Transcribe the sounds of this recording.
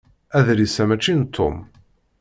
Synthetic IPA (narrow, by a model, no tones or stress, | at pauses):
æðɾisæmæt͡ʃːint̪ʰːʊ̰m